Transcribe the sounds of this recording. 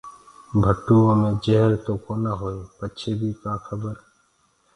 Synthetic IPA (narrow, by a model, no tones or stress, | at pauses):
bʱəʈːuːõːmẽːd͡ʒeɦɾt̪oːkoːnaɦoːeːpət͡ʃʰeːbʱiːkaːkʰəbəɾ